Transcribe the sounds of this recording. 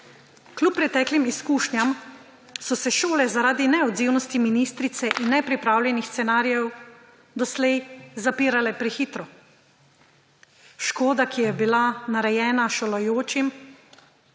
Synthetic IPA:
klupːɾɛt̪ɛːklimiskuːʃnjam | sɔsɛʃoːlɛzaɾaːd̪inɛɔd̪ziːwnɔst̪iminiːst̪ɾit̪sɛʔinːɛpɾipɾaːwljɛnixst̪sɛnaːɾjɛw | d̪ɔslɛjzapiːɾalɛpɾɛxiːt̪ɾɔ | ʃkoːd̪akijɛbilanaɾɛjɛːnaʃolɐjoːt͡ʃim

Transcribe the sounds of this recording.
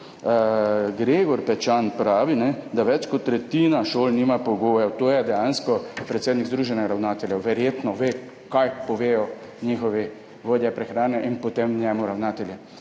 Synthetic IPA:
ɡɾeːɡɔɾpɛt͡ʃanpɾaːʋinɛd̪aʋɛt͡ʃkɔt̪ːɾɛt̪iːnaʃoːlniːmapɔɡoːjɛwt̪oːjɛd̪ɛjanskɔpɾɛt̪seːd̪niɡzd̪ɾuːʒɛnɛɡaɾawnaːt̪ɛljɛʋɛɾjeːt̪nɔʋeː | kajpɔʋeːjɔ | njixɔʋi | ʋoːd̪jɛpɾɛxɾaːnɛʔinpɔt̪emnjɛːmuɾawnaːt̪ɛljɛ

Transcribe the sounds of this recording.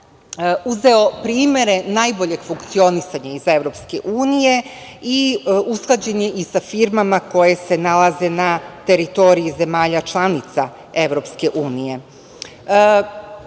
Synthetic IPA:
uze̞o̞pɾiːmje̞ɾe̞najboʎe̞ɡ̥fuŋkt̪sio̞nisaɲaize̞ʋɾo̞ːpske̞̰ʔuːnije̞ | iusklˠad͡ʑe̞ɲe̞ʔisafiɾmamako̞je̞se̞nalaze̞nat̪e̞ɾit̪o̞ɾijize̞maːʎat͡ʃlˠanit̪sa | e̞ʋɾo̞pske̞ʔuːnije̞

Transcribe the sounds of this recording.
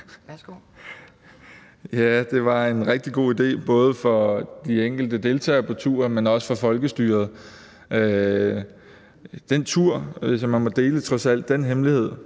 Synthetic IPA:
jæd̥e̝ʋɑ̈e̝nʁeɡ̥̚d̥iɡ̥o̝̰ːid̥e̝̰ːb̥ɔ̽ːð̞̩ˠəfɒ̽d̥ieŋ̰ɡ̥l̩d̥əd̥e̝lt͡sʰɛ̰ːɐpʰɒ̽t͡sʰuːɐmenɒ̽sə̥fɒ̽fɒ̽lɡ̥əsd̥yːɐð̞̩ˠ | ø | d̥ent͡sʰuɐ̰sɒ̽mːænmɒ̽d̥e̝ːlət͡sʰʁɒ̽sæl̰d̥ːenɦemlihe̝ð̞̰ˠ

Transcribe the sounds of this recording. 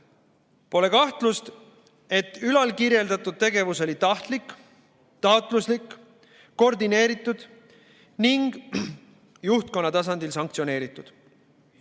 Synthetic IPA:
po̞le̞kɑht̪lust̪ | e̞t̪ːˑylɑlkirje̞ld̪ɑt̪ːˑud̪̥̚t̪e̞ɡe̞vuso̞lit̪ɑht̪likːˑ | t̪ɑwt̪ˑluslikː | o̞rd̪ine̞ːɾit̪ːˑud̪̥ | niŋɡ̥ | juht̪̚ko̞nːɑt̪ɑs̬ɑnd̪̥ilsɑŋk̚t̪sio̞ne̞ːɾit̪ːˑud̪̥

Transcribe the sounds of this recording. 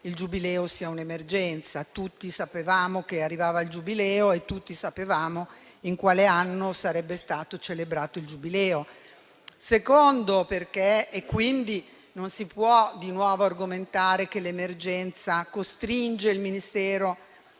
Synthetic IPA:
ild͡ʒubilɛːosiːaunemerd͡ʒɛnt̪sat̪ut̪ːisapevaːmok̟earːivaːvaild͡ʒubilɛːoet̪ːut̪ːisapevaːmo | iŋkwaːleanːosaɾɛbːest̪aːt̪ot͡ʃelebɾaːt̪oild͡ʒubilɛːo | sekond̪operkeːkːwind̪i | nonsipwɔd̪inwɔːvoarɡoment̪aːɾekelemerd͡ʒɛnt̪sakost̪ɾind͡ʒeilminist̪ɛːɾo

